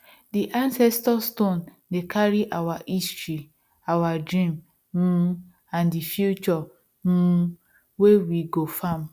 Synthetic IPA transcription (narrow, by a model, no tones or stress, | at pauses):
diʔãnsɛstɔstõn | dekʰaɾiʔawaʔistɹi | awadɾĩm | m̩ | ãndifjut͡ʃɔ | m̩ | wewiɡofam